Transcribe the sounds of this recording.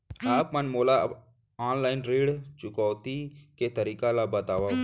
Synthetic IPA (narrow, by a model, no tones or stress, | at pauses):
aːpmənmoːla | aːnlaːɪnɾeːɽt͡ʃʊkɔːt̪iket̪əɾiːkalabət̪aːʋa